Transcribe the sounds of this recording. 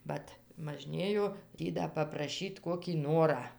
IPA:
ˈʋɐt mɐˈʒʲnʲeːjoː ˈtʲiː dɐ pɐprɐˈʃʲiːt ˈkoːkʲiː ˈnoːrɑː

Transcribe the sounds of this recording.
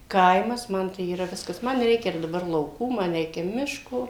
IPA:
ˈkɐɪmɐs ˈmɐn tɐɪ iːˈrɐ ˈʋʲɪskɐs ˈmɐn ˈrʲɛɪkʲɛ ɪr dɐˈbɐr lˠɐʊˈkuː ˈmɐn ˈrʲɛɪkʲɛ ˈmʲɪʃkoː

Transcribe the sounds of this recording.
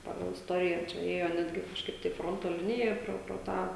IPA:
ˈpɑːɡɐlˠ ɪsˈtoːrʲɪjæː t͡ʃʲɛ ˈeːjoː ˈnʲæːdʲɡʲɪ kɐʃˈkɐɪp tɐɪ ˈfroːntoː ˈlʲɪnʲɪjɛ ˈproː proː ˈtɑː

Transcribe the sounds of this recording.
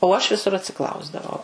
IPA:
oː ɐʃ ʋʲɪˈsʊr ɐtʲsʲɪˈklˠɐʊzdɐʋɐʊ

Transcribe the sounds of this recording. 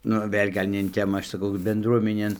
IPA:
ˈnʊ ˈʋʲeːlʲ ɡɐlʲ nʲɛ ɪn ˈtʲæːmɑː ˈɐʃ sɐˈkɐʊ bʲɛnˈdruɔmʲɛnʲeːn

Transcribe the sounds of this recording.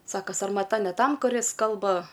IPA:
ˈsɑːkoː sɐrmɐˈtɐ nʲɛ ˈtɐm kʊˈrʲɪs ˈkɐlˠbɐ

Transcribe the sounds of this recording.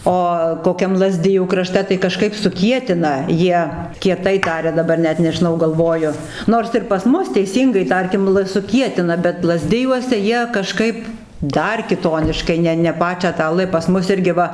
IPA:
ˈoː koːˈkʲɛm lˠɐˈzʲdʲɪjuː krɐˈʃʲtʲɛ tɐɪ kɐˈʃkɐɪp sʊˈkʲiɛtʲɪnɐ ˈjiɛ kʲiɛˈtɐɪ ˈtɑːrʲɛ dɐˈbɐr ˈnʲɛt nʲɛʒʲɪˈnɐʊ ɡɐlˠˈʋoːjʊ ˈnoːrs ɪr pɐs ˈmʊs tʲɛɪˈsʲiːŋɡɐɪ ˈtɐrʲkʲɪm lˠ sʊˈkʲiɛtʲɪnɐ bʲɛt lˠɐˈzʲdʲɪjuɔsʲɛ ˈjiɛ kɐˈʃkɐɪp ˈdɐr kʲɪˈtoːnʲɪʃkɐɪ ˈnʲɛ ˈnʲɛ ˈpɑːt͡ʃʲæː tɑː ˈlˠ pɐs ˈmʊs ˈɪrʲɡʲɪ ˈʋɐ

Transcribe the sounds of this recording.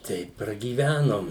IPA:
ˈtʲɛɪp prɐɡʲiːˈʋʲænoːm

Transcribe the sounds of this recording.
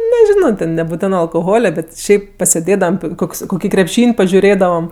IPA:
nʲɛˈʒʲɪnoː tʲɛn nʲɛbʊˈtʲæːnɜ ɐlˠkoːˈɣoːlʲɛ ˈbʲɛt ˈʃʲɛɪp pɐsʲɛˈdʲeːdɐʋɐm ˈkoːks koːˈkʲiː krʲɛpʲˈʃʲiːnʲ pɐʒʲʊˈrʲeːdɐʋɐm

